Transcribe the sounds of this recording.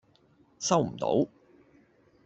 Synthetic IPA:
sɐ˥wm̩˨˩t̪o̰˨˥w

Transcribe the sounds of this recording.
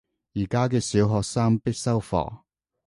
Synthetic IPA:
jiː˨˩kaː˥k̬ɛː˧siː˨˧wɦɔː˨k̚saː˥ŋpɪ˥k̚sɐ˥wfɔ̰ː˨˩

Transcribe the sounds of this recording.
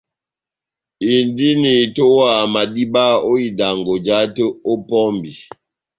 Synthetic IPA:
i˨ndi˦ni˨to˦wa˨ma˨di˦ba˦o˦i˨da˨ŋɡo˨d͡ʒa˦tə˦o˦pɔ˦mbi˨

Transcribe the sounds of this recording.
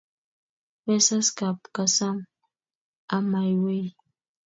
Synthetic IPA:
wɛ˦sa˦ska˨pka˨sa˦ŋ | a˦ma˨jwe˦j

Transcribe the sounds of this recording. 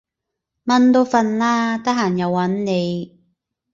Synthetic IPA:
mɐ˧˥nt̪o˧wfɐ˧nlaː˥t̪ɐ˥k̚ɦaː˨˩njɐ˨˧wːɐ˨˥nne˨˧j

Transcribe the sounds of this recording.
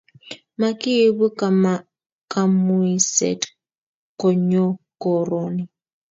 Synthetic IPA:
ma˨ki˦˨˦βu˦ka˨m | ka˨mu˦i˦sɛ̰˨t | kɔ˨ɲɔ˦kɔ˨ɾɔni˨

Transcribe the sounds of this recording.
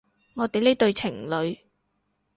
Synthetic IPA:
ŋɔː˨˧t̪e˨jle˥t̪ɵ˧ɥt͡sʰɪ˨˩ŋlɵ˨˧ɥ

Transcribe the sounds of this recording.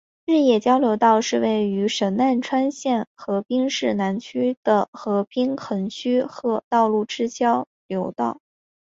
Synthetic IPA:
ɻ̩˥˧jɛ˥˩t͡ɕjɑ˥ʊljo˧˥ʊt̪ɑ˥˧ʊʂɻ̩˥˧we˥˩ɪy˧˥ʂə˧˥nna˥˩nʈ͡ʂʰwa˥nɕjɛ˥˩nxɤ˧˥pi˥ŋʂɻ̩˥˩na˧˥nt͡ɕʰy˥d̪̥ə˨xɤ˧˥pi˥ŋxʰɤ˧˥ŋt͡ɕʰy˥xɤ˧˥t̪ɑ˥˧ʊlu˥˩ʈ͡ʂɻ̩˥t͡ɕjɑ˥ʊ | ljo˧˥ʊt̪ɑ˥˩ʊ

